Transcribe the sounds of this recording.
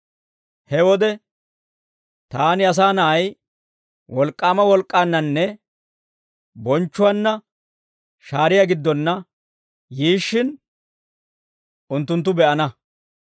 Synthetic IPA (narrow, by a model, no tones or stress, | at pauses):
hɛwɔd̪ɛ | t̪aːnɪɐs̬aːnɐʔɐj | wɔlkʼːaːmɐwɔlkʼːaːnːɐnːɛ | bɔnt͡ʃːʊwɐnːɐ | ʃaːɾɪjaɡɪd̪ːɔnːɐ | jiːʃːɪn | ʊnt̪ːʊnt̪ːʊbɛʔɐnɐ